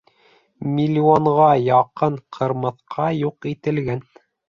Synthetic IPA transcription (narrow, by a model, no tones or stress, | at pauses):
mʲilʲioɴʁɑjɑqɤɴqʰɤ̆ɾmɤ̆θqʰɑjuqit̪ɘ̆lɡæn